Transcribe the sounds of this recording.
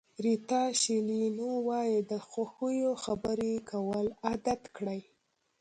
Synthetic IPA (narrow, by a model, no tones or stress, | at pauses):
ɾit̪ɑʃilinowɑjid̪əxaxujoxabəɾekʰawəlad̪at̪kɽaj